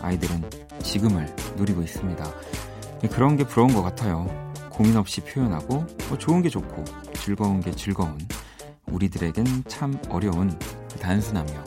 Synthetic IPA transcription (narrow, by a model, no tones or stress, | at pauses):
a̰idɯɾɯn | t͡ɕiɡɯmɯɭnoɾiɡois͈ɯmɲida | jekɯɾʌnɡe̞puɾʌunɡʌk͈atʰajokominʌp̚ɕ͈ipʰjojʌnɦaɡomʌt͡ɕoɯnɡe̞t͡ɕokʰo | t͡ɕɯɭɡʌunɡe̞t͡ɕɯɭɡʌun | uɾidɯɾe̞ɡent͡ɕʰamʌɾjʌunkɯtansʰunɦamjo